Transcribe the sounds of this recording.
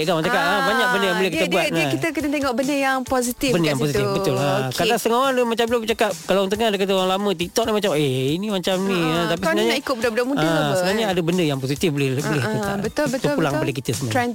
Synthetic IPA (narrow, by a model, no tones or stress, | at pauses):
ʔkamat͡ʃakaʔabaɲak̚bəndəjaŋbolɛhkit̪əbuat̪nakit̪əkənat̪eŋɔʔbəndəjaŋpozit̪ibəndəjaŋmposit̪ifbət̪ʊlakkadast̪əŋoaŋdumat͡ʃamlabət͡ʃakap̚kalant̪əŋadakat̪aoaŋlamə̃t̪it̪ɔʔnahmat͡ʃameinimat͡ʃamniaap̬isənaɲaikʊt̪̚bədabədamũãsəənaɲaadabəndəjaŋposit̪ifbəlɪbəlɪhkit̪a̰ʔbət̪t̪uulaŋpadak̬it̪əsəɲa